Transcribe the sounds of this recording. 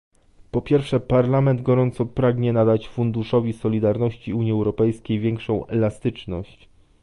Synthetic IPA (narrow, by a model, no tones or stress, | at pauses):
pɔpʲjɛɾfʂɛpaɾlamɛnd̪ɡɔɾɔnt̪sɔpɾaɡɲɛnad̪at͡ɕfund̪uʂɔvʲisɔlʲid̪aɾnɔɕt͡ɕiuɲjiɛwɾɔpɛjskʲejvʲjɛŋkʂɔ̃w̃ɛlast̪ɘt͡ʂnɔ̰ɕt͡ɕ